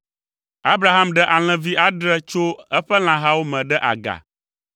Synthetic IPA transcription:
a˦bɾa˨ɦa˦mɖɛ˦ʔa˨l̃ɛ̃˨vi˦ʔa˦ɖɾɛ˦t͡ʃo˦ɛ˦ɸɛ˦l̃ã˨ɦa˦wo˦mɛ̃˨ɖɛ˦ʔa̰˨ɡa̰˨

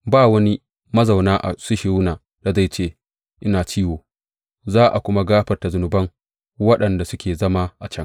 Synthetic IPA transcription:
baː˦˨wɐ˦ni˦ | mɐ˦za˨wnaː˦ʔa̰˨sʊ˦ʃɪ˨ɾuː˦naː˨ | d̥a˨za˦˨t͡ʃeː˦˨ | ʔɪ˦naː˨t͡ʃiː˦woː˨ | zaː˦ʔa˨kʷʊ˦ma˦ɡaː˦ɸɐ˨rta˨zʊ˨nʊ˨bɐ˦ŋ | wɐ˦ɗɐ˨nda˨sʊ˦kʲeː˨zɐ˦ma˦ʔa˨t͡ʃɐ˦ŋ

